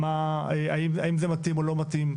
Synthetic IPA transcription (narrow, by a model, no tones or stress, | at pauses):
maea̰imaimzemat̪imolo̞mat̪im